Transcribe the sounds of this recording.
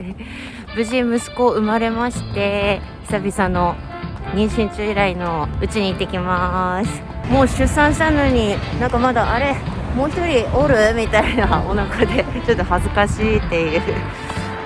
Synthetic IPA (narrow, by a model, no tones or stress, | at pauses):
bɯ̟ʑĩmɯ̟sɨ̥ko̞ːɯ̟maɾe̞maɕi̥t̪e̞ | çʲi̥sabʲisãnːo̞ | ɲ̟ĩɰ̃ɕĩɲ̟t͡ɕɨiɾaino̞ɯ̟t͡ɕiɲ̟iːt̪ːe̞kʲimasɨ̥ | mo̞ːɕɨsːãɰ̃ɕi̥t̪ano̞ɲ̟inãŋkamad̪aʔːɾe̞ | mo̞ːçʲi̥t̪o̞ɾʲiʔoɾɯ̟mʲit̪ainaonakad̪e̞ | t͡ɕo̞t̪ːo̞hazɨkaɕiːt̪ːe̞iɯ̟